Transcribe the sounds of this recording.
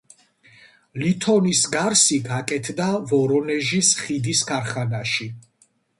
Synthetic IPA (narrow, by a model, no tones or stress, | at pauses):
lit̪ʰɔnisɡaɾsiɡakʼɛt̪ʰd̪avɔɾɔnɛʒisχid̪iskʰaɾχanaʃi